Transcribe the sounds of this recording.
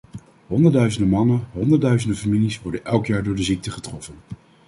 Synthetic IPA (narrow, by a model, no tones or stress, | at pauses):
ɦɔndəɹdœɥzəndəmɑnəɦɔndəɹdœɥzəndəfamilisʋɔɹdənɛlˠkjaːɹdʊːɹdəzik̚təχətrɔfən